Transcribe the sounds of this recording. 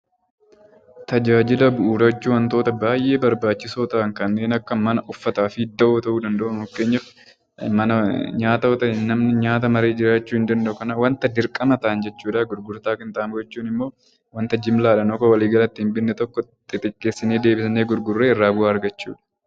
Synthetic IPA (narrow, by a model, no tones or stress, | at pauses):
t̪ɐd͡ʒaːd͡ʒɪlɐbʊʔuːɾɐt͡ʃːuːwɐnt̪oːt̪ɐbaːjʔe̞ːbɐɾbaːt͡ʃːɪsoːt̪ɐʔɐŋkɐnːe̞ːnɐkːɐmɐnɐʔʊfːɐt̪aːfɪɪd̪ːɐʔoːt̪ɐʔuːd̪ɐnd̪ɐʔʊmʊkːe̞ːɲːɐf | mɐnɐɲaːt̪ɐɔt̪ɐɪnnɐmnɪɲaːt̪ɐmɐɾe̞ːd͡ʒɪɾaːt͡ʃːuːhɪnd̪ɐnd̪ɐʔʊkɐnɐwɐnt̪ɐd̪ɪɾkʼɐmɐt̪ɐʔːnd͡ʒɛt͡ʃːuːᶑɐɡʊɾɡʊɾt̪aːkɪnt̪ʼaːmɡɛt͡ʃːuːnɪmːo̞ː | wɐnt̪ɐd͡ʒɪmlaːᶑɐnɔkɔwɐliːɡɐlɐt̪ːɪɪmbɪnːɛt̪ɔkːɔt̪ʼɪt̪ʼɪkʼːe̞ːsːɪneːd̪e̞ːbɪsɐneːɡʊɾɡʊrːeːɪrːaːbʊaːɐɾɡɐt͡ʃːṵːᶑɐ̥